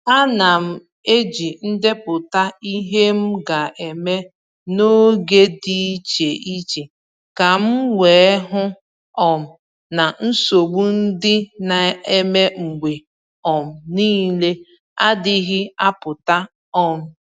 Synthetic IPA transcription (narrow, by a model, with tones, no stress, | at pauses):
a˦na˨m̩˦˨ | e˦d͡ʒi˨n̩˦dɪ˦pʊ˨ta˦i˦ɦe˦m̩˦ɡa˨ʔe˨me˦ | no˦ɡe˦di˦˨˦t͡ʃe˨ʔi˦t͡ʃe˨ | ka˨m̩˦we˨˦ɦʊ˦ | ɔ˨m̩˨ | na˨n̩˦so˨ɡ͡bu˦n̩˦dɪ˦na˨e˦me˦ŋ͡m̩˨ɡ͡bʷe˨ | ɔ˨m̩˨niː˦le˦ | a̰˦dɪ˦ɣɪ˦a˦pʊ˨ta˦ | ɔ˦m̩˦